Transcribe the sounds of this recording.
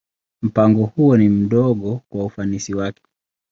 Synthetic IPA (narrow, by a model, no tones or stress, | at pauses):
m̩paŋɡɔhuɔnim̩ɗɔɠɔkwaufanisiwakɛ̥